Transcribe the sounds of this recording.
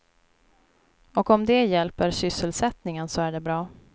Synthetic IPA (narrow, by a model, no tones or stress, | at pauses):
ɔkɔmd̪ɛjɛlpəɾsʏsːəlsɛt̪nɪŋənsɔæɖɛbɾɑː